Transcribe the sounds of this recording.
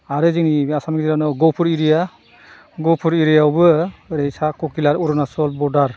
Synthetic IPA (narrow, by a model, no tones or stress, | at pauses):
aɾɯzinibiasamkiziɾanɔɡɔwpʰuɾiɾija | ɡɔwpʰuɾiɾijawbɯɾejsakɔkilaɾuɾɔnasɔlbɔɾdaɾ